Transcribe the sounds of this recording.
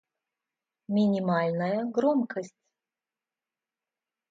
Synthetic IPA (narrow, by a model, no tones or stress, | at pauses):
mʲinʲimalʲnəjəɡromkəsʲtʲ